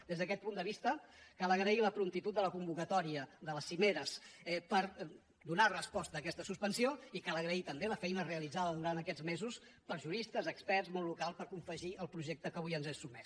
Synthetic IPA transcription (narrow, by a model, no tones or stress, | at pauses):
d̪ezðəkɛt̪̚pund̪əβist̪əkaləɣɾəiləpɾumt̪it̪ut̪̚d̪ələkumbukət̪ɔɾiəðələsimeɾəsɛpəɾ | d̪unarəspɔst̪əːkɛst̪əsuspənsioikaləɣɾəit̪əmbeləfɛjnəreəlid͡zaðəðuɾant̪əkɛd͡zmezus | pəɾʒuɾist̪əzəkspɛɾzmɔllːukalˠspəɾkuɱfəʒiəlˠpɾuʒek̚t̪əkəβujənzɛsumɛs